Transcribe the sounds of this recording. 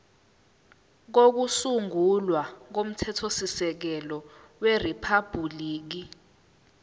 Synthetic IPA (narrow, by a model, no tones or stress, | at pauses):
k̬ok̬usuŋulwak̬om̩tʰɛtʰosisɛk̬ɛlɔ | weripʰab̥ʱuliːk̬i